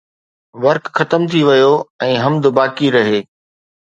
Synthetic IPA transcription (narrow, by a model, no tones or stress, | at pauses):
ʋɐɾkxɐt̪əmt̪ʰiʋɐjoɛ̃ːɦɐmd̪baːkiɾɐɦeː